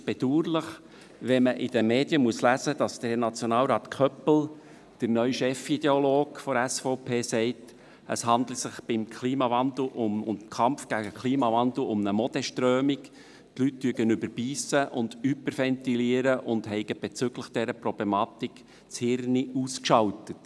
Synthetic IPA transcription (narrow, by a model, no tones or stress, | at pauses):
b̥ɛduːɾlɪχ | ʋɛməʔɪd̥əmeːd̥jəmuəslæzəd̥ɑsd̥ənɑt͡sjɔnɑːlɾɑːt̪kʰœpl̩ | d̥əɾnœʏʃɛfid̥̪eoloːɡfɔɾæsfoʊpʰeːsɛɪt | ʔə̰shɑnd̪l̩sɪχb̥ɪmkʰliːmɑvɑnd̪l̩ʔʊmʊnkʰɑmfɡ̥æɡəkʰliːmɑvɑnd̪l̩ʊmnəmɔd̥̪ɛʃtɾøːmik | tlytːyːəɡənʏbəɾb̥iːsəʔʊndybəɾfɛntiliəɾəʔʊndɦɛɪɡəb̥ɛt͡sʏɡləχd̥ɛɾəpɾɔb̥lɛmɑːt̪ik | t͡shɪrniuːskʃɑltət